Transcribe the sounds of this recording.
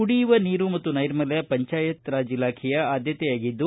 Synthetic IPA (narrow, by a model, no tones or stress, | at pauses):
uɽiːʋɐniːɾumɐt̪ːunɐjɾmɐlɐjɐpɐɲt͡ʃaːjɐt̪ɾaːd͡ʒilaːkʰɛjɐaːd̪ʱjɐt̪ɛjaːɡid̪ːu